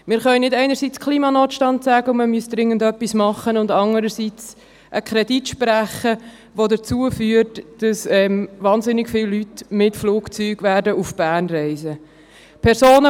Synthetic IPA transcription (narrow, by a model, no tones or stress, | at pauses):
mɪːɾχœʏnɪdɛɪnəɾsit͡skʰliːmɑnoːtʃtɑntsæːɡəʊməmyəsd̥ɾɪŋːəndœpːismɑχənʊndɑŋəɾəsit͡s | ʔəkʰɾɛditʃpɾæχə | ʋodət͡suːəfyːəɾtd̥ɑsɛmvɑːnzɪnːɪkfɪlːytmɪtfluːkt͡syːɡʋæːɾdəufb̥æːnrɛɪzə | pʰɛɾsoːnə